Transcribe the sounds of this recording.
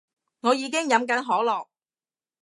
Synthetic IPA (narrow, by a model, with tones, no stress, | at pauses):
ŋɔː˨˧jiː˨˧˥k̬ɪ˥ŋjɐ˨˥mk̬ɐ˨˥nɦɔː˨˥lɔː˨k̚